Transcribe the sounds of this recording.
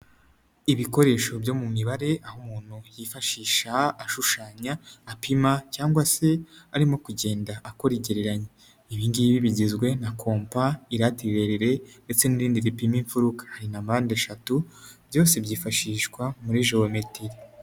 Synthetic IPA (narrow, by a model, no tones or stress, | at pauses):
iβiko̞ɾe̞ʃo̞bjo̞ːmumiβaɾe̞ʔahumuːn̥hujifaʃiːʃaːʃuʃaːɲaːpimacaːŋɡwase̞aɾimo̞kuɟeːndaʔːko̞ɾiɟeɾeɾaɲe | iβiːŋɡijβiβiɟizɡwe̞nakʰo̞ːmpaiɾatiɾe̞ɾiɾe̞nde̞t͡se̞niɾiːndiɾipimiɱfuɾukḁhaɾinambaːnde̞ʃatubjo̞ːse̞bɟiːfaʃiːʃkwamuɾiʒowemetiɾi